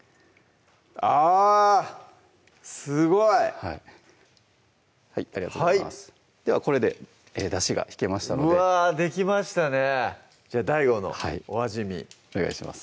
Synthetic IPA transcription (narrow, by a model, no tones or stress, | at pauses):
a | sɨɡo̞ihai | haiaɾiɡat̪oais | d̪̥e̞βako̞ɾe̞d̪e̞ | ed̪aɕiɡa̰çi̥ke̞maɕi̥t̪anodead̪e̞k̬ʲimaɕi̥t̪ane̞ | d͡ʑaːd̪aiɡo̞no̞̰haioβaʑimʲḭoneɡa̰iɕima̰sɨ̥